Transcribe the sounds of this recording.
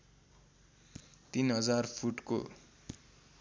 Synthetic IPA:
t̪inɦʌd͡zarpʰuʈko̰

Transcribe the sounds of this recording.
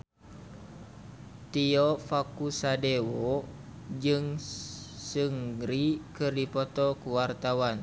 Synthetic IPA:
t̪iɔfakusadewɔ | d͡ʒɨŋ | sɨŋɾikɨrdipɔt̪ɔkuwart̪awan

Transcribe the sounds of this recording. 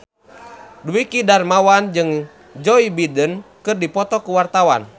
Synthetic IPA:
duikidarmawand͡ʒɨŋ | d͡ʒɔibidənkɨrdipɔt̪ɔkuwart̪awa̰n

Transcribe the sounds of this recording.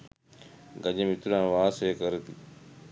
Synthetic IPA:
ɡəɲemɪt̪uɾãːʋaːseːkəɾt̪iː

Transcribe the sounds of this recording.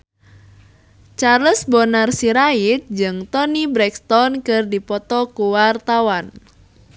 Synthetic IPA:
t͡ʃaɾəsbonarsiɾaɪt̪̚d͡ʒɨŋt̪ɔnibɾɛkt̪ɔnkɨrdipɔt̪ɔkuwart̪awan

